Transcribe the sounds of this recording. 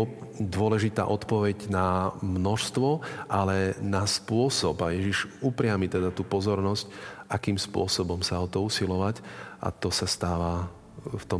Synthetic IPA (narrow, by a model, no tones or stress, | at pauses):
d̪ʊɔlɛʒit̪a̰ːʔɔt̪pɔʋɛɟnamnɔʃst̪ʋɔʔalɛnaspʊɔsɔbajɛʒiʒupɾɪamit̪ɛd̪at̪uːpɔzɔɾnɔscʔakiːmspʊɔsɔbɔmsaɔt̪ɔusilɔʋacʔa̰t̪ɔsast̪aːʋa | ft̪ɔ